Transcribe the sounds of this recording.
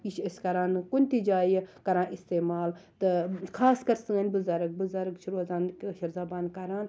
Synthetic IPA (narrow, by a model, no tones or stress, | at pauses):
iʃeskɐɾaːnkunʲt̪id͡ʒaːjekɐɾãːnʔist̪eːmaːlt̪ɨkʰaːskɐɾsɨɐnʲbɨzɐɾɐk̚bɨzaɾɐkʃuɾuɐzaːnʃɐɾzaːbaːnkɐɾaːn